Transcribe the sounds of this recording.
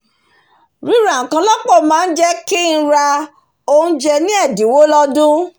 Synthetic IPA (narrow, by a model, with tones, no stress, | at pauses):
ɾi˦ɾa˨ŋ̩˨kã˧˦lɔ˦k͡pɔ˦˨mãː˨˦n̩˦d͡ʒɛ˦ki˦n̩˦˧ɾa˧ | o˦˧nũ˦d͡ʒɛ˧nĩ˦ɛ˦˨di˨wo˦lɔ˦dũ˦